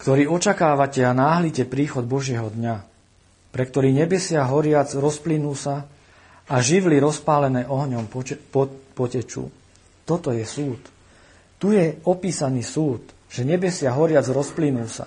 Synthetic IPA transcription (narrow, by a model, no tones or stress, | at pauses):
kt̪ɔɾiːɔt͡ʃakaːʋacɛanaːɦlicɛpɾiːxɔd̪̚bɔʒɪɛɦɔd̪ɲa | pɾɛkt̪ɔɾiːɲɛbɛsɪaɦɔɾɪad͡zɾɔsplinuːsa | aʒiʋliɾɔspaːlɛnɛːʔɔɦɲɔm | pɔcɛt͡ʃṵː | t̪ɔt̪ɔjɛsuːt̪ː | ujɛɔpiːsaniːsuːt̪ | ʒ̥ɛɲɛbɛsɪaɦɔɾɪad͡zɾɔsplinuːsa̰